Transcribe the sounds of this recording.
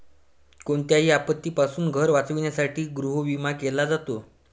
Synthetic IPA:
koɳt̪jaɦiːapət̪ːiːpasuːnɡʱəɾʋat͡sʋiɳjasaʈʰiːɡɾuɦoʋimakelad͡zat̪o

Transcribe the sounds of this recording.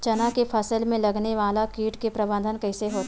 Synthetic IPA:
t͡ʃɐnakepʰɐsəlmẽlɐɡneʋaːlakiːʈkepɾɐbə̃nd̪ʱənkɛɪseɦoːt̪ː

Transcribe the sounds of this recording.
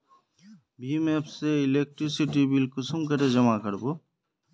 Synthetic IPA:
bimepseilek̚ʈɾisiʈibilkusʰumkaɾed͡ʑɔmakɔɾbo

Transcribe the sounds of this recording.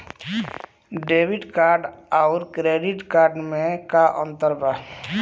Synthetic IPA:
ɖeːbɪɖkaːɾɖaʊɾkɾeːɖiʈkaːɾɖmẽkaʔə̃nt̪əɾba

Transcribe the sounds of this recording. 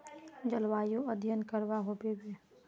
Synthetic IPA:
d͡ʒəlʋaːjõəd̪ʱjənkəɾʋaɦoːbebe

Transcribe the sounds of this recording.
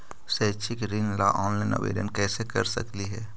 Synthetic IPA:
sɛːt͡ʃʰɪkɾɪ̃ŋla̰ʔɔːnlaɪnɔ̰ʋḛːɖənkɛːsekɐɾsɐ̰kliɦɛː

